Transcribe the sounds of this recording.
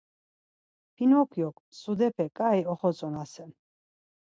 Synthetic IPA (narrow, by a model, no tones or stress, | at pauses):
pʰinɔkʰjɔkʼ | sud̪ɛpʰɛkʼaiɔχɔsʼɔnasɛ